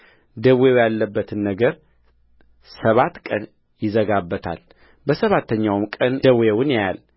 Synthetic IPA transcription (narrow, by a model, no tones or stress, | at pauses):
d̪əwejalːəbːət̪ʰɨnːəɡəɾ | səβat̪kʼən | jɪzəɡabːət̪ʰa̰l | bəsəβat̪ːəɲːawmkʼənd̪əwewʊnjjal